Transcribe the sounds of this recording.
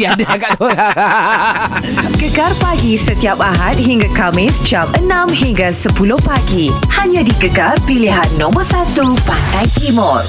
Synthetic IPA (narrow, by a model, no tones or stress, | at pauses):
iadaaɡat̪ola | ɡəɡarpaɡisət̪iapaɦat̪̚ɦiŋɡakamɪsd͡ʒapʔənãmɦiŋɡasəpulʊhpaɡihaɲãdiɡəɡarpiliɦannɔ̃mərsat̪upat̪ajt̪imɔr